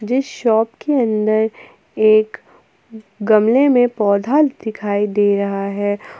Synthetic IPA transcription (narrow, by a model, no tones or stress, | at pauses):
d͡ʒɪsʃɔːpkeɐ̃nd̪əɾ | eːk | ɡɐmlemẽpɔːd̪ʱaːld̪ɪkʰaːid̪eːɾɐɦaɦɛː